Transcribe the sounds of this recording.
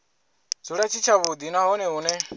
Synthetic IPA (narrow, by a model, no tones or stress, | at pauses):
d͡zuɺat͡ʃʰit͡ʃʰaβud̪inaɦɔnɛunɛ